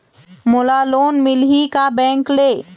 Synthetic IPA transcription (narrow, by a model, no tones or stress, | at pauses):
molaloːnmilɦikabɛ̃ːŋkleː